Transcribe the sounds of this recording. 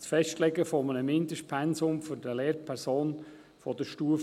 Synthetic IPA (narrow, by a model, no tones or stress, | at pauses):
t͡sfɛʃtlɛɡəfɔmənəmɪnd̪əʃpʰɛnsʊmfʏɾdəleːɾpʰɛɾsoːn | fɔd̪əʃtuəf